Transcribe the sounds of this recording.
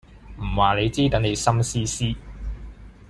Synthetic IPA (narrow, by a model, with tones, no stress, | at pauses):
m̩˨˩waː˨ne˨˧jt͡siː˥t̪ɐ˨˥ŋne˨˧jsɐ˥msiː˥siː˥